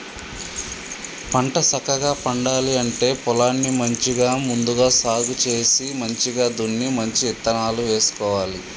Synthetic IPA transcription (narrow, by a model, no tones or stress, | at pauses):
pɐɳʈɐsɐkɐɡaːpɐɳɖaːliɐɳʈe̞ːpɔlaːnːimɐɲt͡ʃiɡaːmund̪uɡaːsaːɡut͡ʃe̞ːsimɐɲt͡ʃiɡaːd̪unːimɐɲt͡ʃiɛt̪ːɐnaːluʋe̞ːsu̥kɔːʋaːli